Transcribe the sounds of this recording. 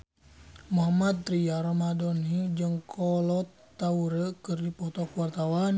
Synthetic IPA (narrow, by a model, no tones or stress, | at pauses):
muɦamad̪̚ɾiaɾɔmadɔnid͡ʒɨŋkʰɔlɔt̪ːauɾəkɨrdipɔt̪ɔkuwart̪awan